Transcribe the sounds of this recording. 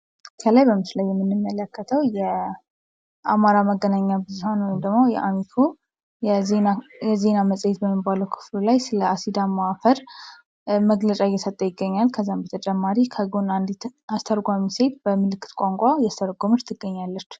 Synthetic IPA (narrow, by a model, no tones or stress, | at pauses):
kʰəlajbəmɨslajːɛmːɨnːɨmːələkːət̪ʰəwjɛ | ʔamaɾaməɡːənaɲːabɨzuhonwɔjimd̪əɡmojɛ̰ʔamik̪ʰo | jɛze̞naməsʼjɛt̪̚bəmːibaləwkʰɨ̥flulajsɨləasid̪amafəɾ | məɡlət͡ʃʼajːɛsət̪ʼːəjɪɡːəɲːalkʰəzːambət̪ʰət͡ʃʼɛmːaɾikʰəɡonand̪it̪ast̪ʰəɾɡʷamise̞t̪̚bəmɨlɨkːɨ̥t̪kʷʼaŋkʷʼajast̪ʰəɾɡomɨɾt̪ʰɨɡːəɲːalːət͡ʃː